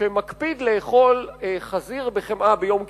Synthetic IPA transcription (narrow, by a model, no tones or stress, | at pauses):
emakpid̪leːχo̞lχaziʁbeχemʔabejo̞mk